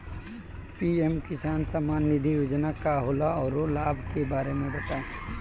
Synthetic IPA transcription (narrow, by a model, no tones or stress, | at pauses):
piɛmkɪsaːnsəmaːnːɪd̪ʱijuːd͡ʒnakaɦolaɔːɾolaːbʱkebaːɾemẽbɐt̪aːẽ